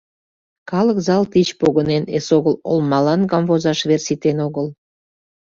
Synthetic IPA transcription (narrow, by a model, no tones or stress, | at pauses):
kɑləkzɑlt̪it͡ɕpoɣənenḛsoɣəlo̰lmɑlɑnɡɑmvozɑʃβersit̪enoɣəl